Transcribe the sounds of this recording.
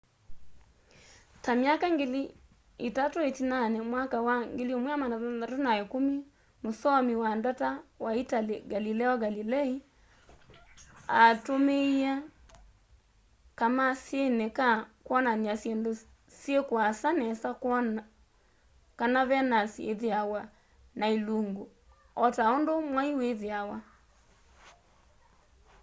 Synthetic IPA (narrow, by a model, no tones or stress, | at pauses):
tamjakaŋɡeli | itatoetinanɛmwakawaŋɡeliomwiamanaatonaekumi | mosɔmiwandatawaitaleɡalilɛɔɡalilɛi | atomeia | kamasjenekakwɔnaniasjendo | sjekwasanɛsakɔn | kanaβɛnasiḛðeawa | nailuŋɡo | ɔtaondomwaiweðeawa